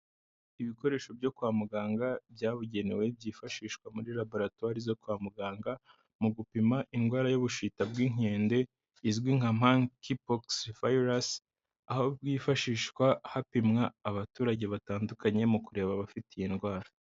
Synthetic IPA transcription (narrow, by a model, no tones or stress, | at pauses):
iβiko̞ɾe̞ːʃo̞bjo̞kuaːmuɡaːŋɡabɟaːβuɟe̞ne̞we̞bɟiːfaʃiːʃkwamuɾiɾabo̞ɾatwaɾizo̞kwaːmuɡaːŋɡa | muɡupimaʔinɡwaːɾajoβuʃitabɡiŋ̥eːnde̞ | izɡwiŋ̥am̥aŋkipoksvajɾas | aho̞bɡiːfaʃiːʃkwahapimŋaːβatuːɾaɟe̞βataːndukaɲe̞mukuɾe̞ːβaβafitijenɡwaːɾa